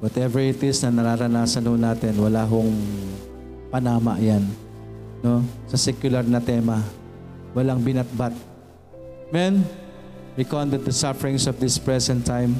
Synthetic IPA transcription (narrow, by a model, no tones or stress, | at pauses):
wɐt̪ɛvɛɹɪt̪ɪsnɐnɐɾaɾɐnaːsɐnhonaːt̪ɛnwɐlaːɦoŋ | pɐnaːmɐ̰ʔjan | no̞sɐsɛkjʊlɐɾnɐt̪ɛːmɐ | wɐlaŋbɪnɐt̪̚bat̪̚ | mɛn | ɹɪkond̪ɛd̪̚d̪ɐsafɛɹɪŋsɔfd̪ɪspɹɛsɛnt̪ʰːajm